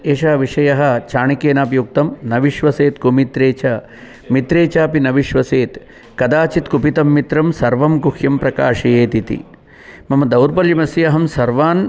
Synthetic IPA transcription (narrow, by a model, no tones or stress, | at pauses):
eːʃaːʋiʂɐjɐɦɐ̆t͡ʃaːɳikeːnaːpjuk̚t̪ɐmnɐʋiʃʋɐseːt̪kumit̪ɾeːt͡ʃɐ | mit̪ɾeːt͡ʃaːpinɐʋiʃʋɐseːt̪ | kɐd̪aːt͡ʃit̪kupit̪ɐmːit̪ɾɐmsɐɾʋɐmkuhjɐmpɾɐkaːʂijeːt̪it̪ḭ | mɐmɐd̪ɐwɾpɐljɐmɐsiɐɦɐmsɐɾʋaːn